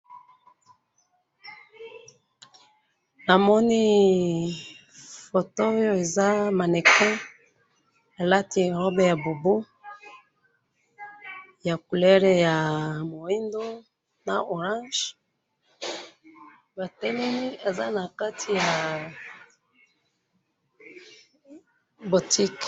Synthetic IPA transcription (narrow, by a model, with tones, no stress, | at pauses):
na˨mɔ˦ni˦ | fo˨to˦jo˦e˨za˦ma˨nɛ˨kɔ˦ | a˨la˦ti˨ʁɔ˦bɛ˦ja˨bo˨bo˦ | ja˨ku˨lɛ˦ʁe˨ja˨mo˨i˦ndo˦ | na˨o˨ʁã˦ʒ | ba˨tɛ˦lɛ˦ni˦e˨za˦na˨ka˦tʰi˨ja˨ | bo˨ti˦k